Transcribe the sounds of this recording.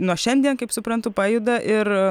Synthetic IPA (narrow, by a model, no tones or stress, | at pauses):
nuɔʃʲɛnʲd̪ʲiɛnkɐɪpsʊpɾɐnt̪ʊpɑːjud̪ɐʔɪr